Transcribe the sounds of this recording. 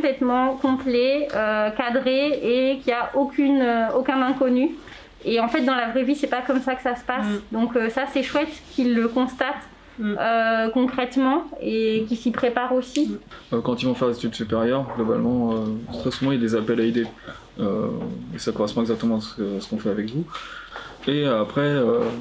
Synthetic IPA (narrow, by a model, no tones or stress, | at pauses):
ɔ̃plɛt̪mɑ̃kɔ̃plɛøkad̪ʁeekʲiaʔokʲʰynøokʲɛ̃nɛ̃kɔny | eɑ̃fɛt̪̚d̪ɑ̃lavʁɛvisɛpakɔmsakə̥sasə̥pasd̪ɔ̃køsasɛʃwɛt̪kʰʲilːəkɔ̃st̪at̪ | økɔ̃kχɛt̪mɑ̃ekʲisipχepaʁosiøkɑ̃t̪ilvɔ̃fɛʁzet̪yd̪sypeʁjœʁɡlɔba̰lmɑ̃øt̪χɛsuvɑ̃iljad̪ezapɛlaid̪e | ø̰esakɔ̃ʁɛspɔ̃ɛɡzak̚t̪əmɑ̃asə̥kəasə̥kɔ̃fɛavɛkvu | eapχɛø